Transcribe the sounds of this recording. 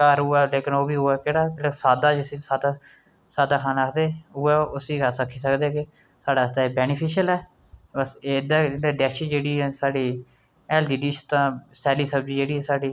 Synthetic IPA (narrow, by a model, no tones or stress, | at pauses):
kəɾʊːɛːleːkɪnoːbiːɦʊːɛːkeːɽaːkːlːsaːd̪aːd͡ʒɪsẽːsaːd̪aː | saːd̪aːkʰaːnaaːkʰd̪eːʊɛːʊsiːkəɾsəkʰːiːs̬əkd̪eːkɪ | saːɖaːst̪aːeːbɛːnɪpʰɪʃəlɛː | bəseːɪd̪aːɪdaːɖɛːʃiːd͡ʒeːɽiːɛːsaːɖiː | ɛːldiːɖiːt͡ʃt̪ãːsɛːliːsəbd͡ʒiːd͡ʒeːɽiːɦɛːsaːɖiː